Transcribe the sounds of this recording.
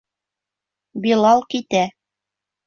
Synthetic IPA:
bilˠɑlˠkit̪æ

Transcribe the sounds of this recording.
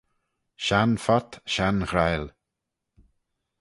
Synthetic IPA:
ʃanfat̪ʃanxɾajl

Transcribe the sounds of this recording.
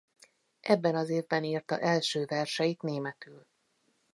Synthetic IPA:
ʔɛbːɛnɒzeːvbɛniːrt̪ɒ̰ʔɛlʃøːvɛrʃɛjit̪neːmɛt̪yːl

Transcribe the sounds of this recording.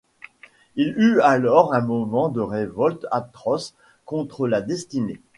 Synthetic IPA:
ilyalɔʁɛ̃mɔmɑ̃d̪əʁevɔlt̪at̪χɔs | kɔ̃t̪χəlad̪ɛst̪ine

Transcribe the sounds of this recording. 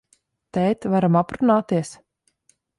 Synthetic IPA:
t̪ɛjt̪vaɾamapɾunaːt̪iɛs

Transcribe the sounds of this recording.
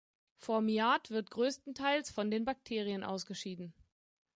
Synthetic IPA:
fɔɐmiaːtv̥ɪɐtɡ̥ʁøːstn̩tʰaɪlsfɔndeːnbak̚tʰeːʁiənʔa̰ʊsɡ̥əʃiːdn̩

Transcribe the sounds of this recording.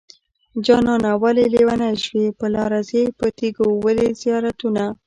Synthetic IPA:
d͡ʒɑnɑnawalelewanaʃwepəlɑɾazepət̪iɡowəlezijɑɾat̪una

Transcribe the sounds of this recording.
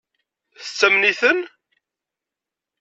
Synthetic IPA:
θət͡sːəmniθən

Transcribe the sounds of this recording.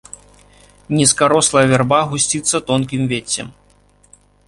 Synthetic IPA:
nʲɛskaɾɔslˠɐjɐvʲɛrbaɣusʲt͡sʲit̪sːɐt̪ɔnkʲimvʲet͡sʲːɛ̰m

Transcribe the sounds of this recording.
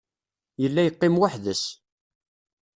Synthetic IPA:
jəlːæjəqːɪmwaħðəs

